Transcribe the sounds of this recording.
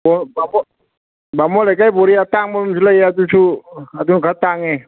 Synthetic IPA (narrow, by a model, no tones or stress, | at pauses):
bɔbamɔ | bamɔlakajbɔɾiat̪aŋmɔlmt͡ʃʰulajat̪̬ut͡ʃʰuat̪unkʰat̪aŋɛ